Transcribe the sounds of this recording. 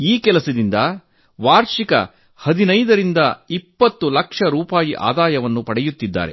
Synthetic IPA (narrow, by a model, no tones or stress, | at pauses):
iːkɛlɐsɐd̪ind̪ɐ | ʋaːɾʃikɐ̰ | hɐd̪inɐjd̪ɐɾind̪ɐipːɐt̪ːulɐkʂɐɾuːpaːjiʔa̰ːd̪aːjɐʋɐnːupɐɽɛjut̪ːid̪ːa̰ːɾḛ